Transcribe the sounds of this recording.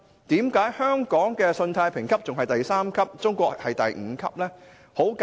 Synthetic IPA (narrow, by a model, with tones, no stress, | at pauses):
t̪iː˨˥mkaː˨˥jhœː˥ŋkɔː˨˥ŋkɛː˧sɵ˧nt̪ʰaː˧jpʰɪ˨˩ŋkʰɐ˥p̚t͡sʊ˨ŋɦɐ˨jt̪ɐ˨jsaː˥mkʰɐ˥p̚t͡sʊ˥ŋkʷɔː˧k̚hɐ˨jt̪ɐ̰˨jŋ̩˨˧kʰɐ̰˥p̚lɛː˥ | ho˨˥wka